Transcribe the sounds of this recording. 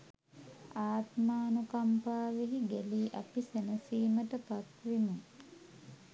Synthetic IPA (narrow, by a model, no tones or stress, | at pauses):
aːt̪maːnukampaːʋeɦiɡeliːʔɐpisenəsiːməʈəpat̪ʋimuŋ